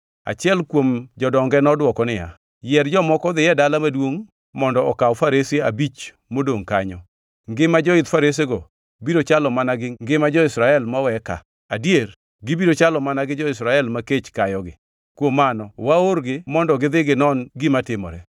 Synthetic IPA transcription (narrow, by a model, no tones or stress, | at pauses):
a̰t͡ʃɪɛlkwomd͡ʒɔdɔŋɡɛnɔdwɔkɔnɪja̰ | jɛɾd͡ʒɔmɔkɔd̪ɪjɛdalamadwoŋ | mɔndɔɔkawɔfaɾesieabit͡ʃ | modoŋkaɲɔ | ŋɡɪmad͡ʒɔɪd̪faɾes̬eɡɔ | biɾot͡ʃalɔmanaɡɪŋɡɪmad͡ʒɔɪsɾaɛlmawɛka̰ | adjer | ɡɪbiɾot͡ʃalɔmanaɡɪd͡ʒɔɪsɾaɛlmaket͡ʃkajɔɡɪ̰ | kwomːanɔwaoɾɡɪmɔndɔɡɪd̪ɪɡɪnɔnɡɪmatɪmɔ̰ɾɛ